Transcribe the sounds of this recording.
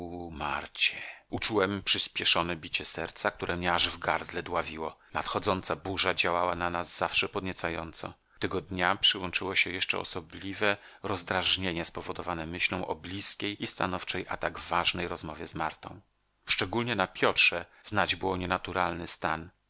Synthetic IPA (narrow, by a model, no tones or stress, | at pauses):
uma̰ɾt͡ɕɛut͡ʂuwɛmpʂɘspʲjɛʂɔnɛbʲit͡ɕɛsɛɾt̪sakt̪uɾʔɛmɲɛaʐvɡaɾd̪lɛd̪wavʲiwɔnat̪xɔd̪zɔnt̪sabuʐad͡ʑawawananazːafʂɛpɔd̪ɲɛt̪sajɔnt̪sɔ̰̃ | t̪ɛɡɔd̪ɲapʂɘwɔnt͡ʂɘwɔɕɛjɛʂt͡ʂɛ̰ɔ̰sɔblʲivɛ | ɾɔzd̪ɾaʐɲeɲɛspɔvɔd̪ɔvanɛmɘɕlɔ̃w̃ʔɔblʲiskʲejist̪a̰nɔft͡ʂɛjʔat̪aɡvvːaʐnɛjɾɔzmɔvʲjɛzmaɾt̪ɔ̃w̃ | ʂt͡ʂɛɡulʲɲɛnapʲjɔtʂɛz̥nad͡ʑbɘwɔɲɛnat̪uɾʔalnɘst̪an